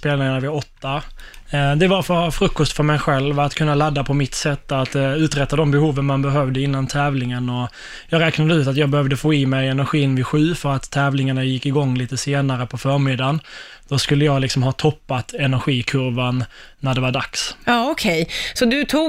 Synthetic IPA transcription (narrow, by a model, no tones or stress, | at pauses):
speːlnɪŋanavɪaɔt̪ːa | d̪ɛvaɾfœɾfɾɵkːɔst̪fœɾmɛjɧɛlvat̪kʰɵnːalad̪ːapʰɔmɪt̪sɛt̪ːat̪ʉ̟ːt̪ɾɛt̪ːad̪ɔmbɛhuːvənmanbɛɦœvd̪əɪnːant̪ʰɛːvlɪŋənɔ | jɑːɡɾɛːknad̪əʉːt̪at̪jɑːɡ̚bɛhœvd̪əfoːɪmɛjɛnæɾɧiːɪnːvɪɧʉ̟ːfœɾat̪ʰːɛːvlɪŋaɳajɪkːɪɡɔŋːliːt̪əseːnaɾəpʰɔfœɾmɪd̪ːan | d̪̥ɔskɵlːəjɑːɡlɪksɔmhɑːt̪ʰɔpːat̪ɛnæɾɧiːkʰɵɾvanː | æɖɛvaɖaksɑːɔkʰɛjsɔd̪ɵt̪ʰuː